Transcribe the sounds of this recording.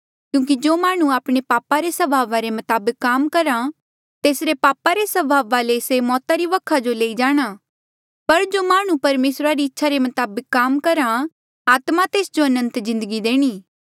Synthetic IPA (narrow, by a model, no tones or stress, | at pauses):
kjũːk̬id͡ʒoːmaːɽ̃ũaːpɽ̃epaːpaɾesɐbʱaːʋaɾemɐt̪aːbəkːaːmkɐɾa | t̪eːsɾepaːpaɾesɐbʱaːʋalesemɔːt̪aɾiʋɐkʰad͡ʒoleːid͡ʒaːɽ̃a | pɐɾd͡ʒomaːɽ̃ũpɐɾmeːsɾaɾiɪtːʃʰaɾemɐt̪aːbəkːaːmkɐɾã | aːt̪mat̪eːsd͡ʒoɐnə̃nt̪zɪ̃nd̪əɡid̪eːɽ̃iː